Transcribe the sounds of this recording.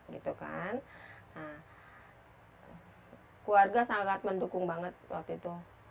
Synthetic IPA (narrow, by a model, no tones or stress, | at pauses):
ɡit̪uka̰n | a | kuarɡasaŋaɡaat̪̚məndukʊŋbaŋət̪̚wa̰k̚t̪uit̪u